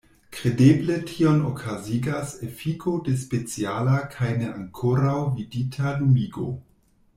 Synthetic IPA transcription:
kɾe̞deble̞tʰio̞no̰kʰaziɡasefikʰode̞s̬pe̞t͡sialakʰajne̞a̰ŋkʰoɾawviditʰalumiɡo̰

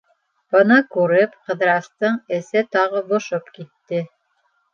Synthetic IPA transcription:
b̥ɤ̆nɑkʉɾɘpqɤ̆ðɾɑst̪ɤɴɘ̆sɘt̪ɑʁɤbŏʃopkit̪ːɘ

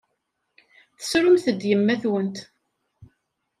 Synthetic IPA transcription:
θə̥sɾʊmθəd̪jəmːæθwənt̪

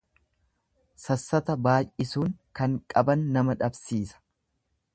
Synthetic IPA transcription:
sɐsːɐt̪ɐbaːjʔɪsuːŋkɐŋkʼɐbɐnːɐmɐᶑɐbsiːsɐ̥

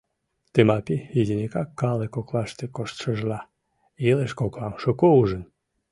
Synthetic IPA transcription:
t̪emɑpijid̪ʲinʲikɑkːɑlekoklɑʃt̪ekoʃt̪ʃəʒlɑ | ileʃkoklˠɑmʃokouʒən

